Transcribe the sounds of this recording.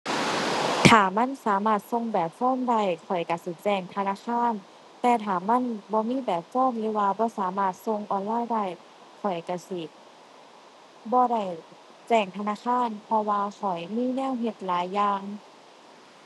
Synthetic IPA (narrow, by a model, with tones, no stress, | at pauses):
t̪ʰaː˨˩ma˧˥˨nsaː˨˦maː˧˥˩t̪̚so˧ŋbɛː˨˩p̚fɔː˧˥˨mda˧˩˨jkʰɔ˨˩jka˧˩si˧˦t͡ɕɛː˧˩ŋt̪ʰa˧naː˧˥˨kʰaː˧˥˨n | t̪ɛː˧t̪ʰaː˨˩ma˧˥˨nbɔː˧˦miː˧˥˨bɛː˨˩p̚fɔː˧˥˨mlɯː˨˦waː˧bɔː˧˦saː˨˦maː˧˩t̪̚so˧ŋʔɔː˧nlaː˧˥˨jda˧˩˨j | kʰɔ˨˩jka˧˩si˧˩ | bɔː˧˦da˧˩j | t͡ɕɛː˧˩ŋt̪ʰa˧naː˧˨kʰaː˧˥˨npʰɔ˧waː˧kʰɔ˨˩jmiː˧˥˨nɛː˧˥˨wɦe˧t̪̚laː˨˦jːaː˧ŋ